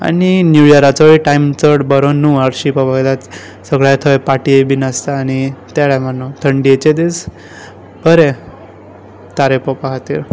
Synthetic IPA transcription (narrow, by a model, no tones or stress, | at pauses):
a̰ninjujaɾat͡sʋɭiʈajmt͡səɽbəɾonːuaɾɕipəpaɡd̪at̪ | səɡɭat̪ʰɔjpaʈiebinast̪aːñit̪ɛɭamanːot̪ʰəɳɖiet͡ɕed̪es | bəɾe | t̪aɾepɔpakat̪ḭːɾ